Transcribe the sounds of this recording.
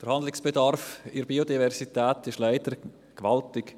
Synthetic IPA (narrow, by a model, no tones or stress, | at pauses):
d̥əɾhandlɪksb̥edɑɾfɪɾbiodivɛɾsitɛːtɪʃlaɪdəɾ | kʋaltɪk